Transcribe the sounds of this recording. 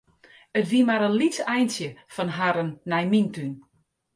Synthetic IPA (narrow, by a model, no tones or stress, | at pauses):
ətʋiəmaɾənlitsɛjnsjəfɔnɦaɾənːɛjmintyn